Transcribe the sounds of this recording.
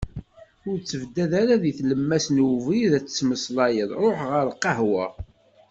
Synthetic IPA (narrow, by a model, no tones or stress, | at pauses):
ʊɾt͡sːəvd̪ːæðaɾaðiθləmːæsnwviðæt͡sːə̥t͡sːməslɑjəðˤɾˤoħʁəɾqɑɦwæ̰